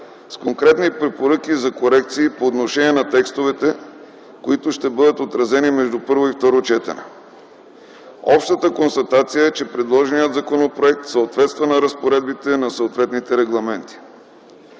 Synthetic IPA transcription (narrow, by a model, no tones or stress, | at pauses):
skoŋkɾɛt̪nipɾɛpoɾɤkizɐkoɾɛk̚t̪siːpoːt̪noʃɛniɛnɐt̪ɛkst̪ovɛt̪ɛ | koit̪ʊʃt̪ɛbɤd̪ət̪ot̪ɾɐzɛnimɛʒd̪upɤɾvoift̪ɔɾot͡ʃɛt̪ɛ̰nɛ̰ | ɔpʃt̪ət̪əkonst̪ɐt̪at̪sijəɛt͡ʃɛpɾɛd̪lˠɔʒɛnijət̪zɐkonopɾoɛk̚t̪səot̪vɛt̪st̪vɐnɐɾɐspoɾɛd̪̚bit̪ɛnɐsoot̪vɛt̪nit̪ɛɾɛɡlˠɐmɛnt̪i̥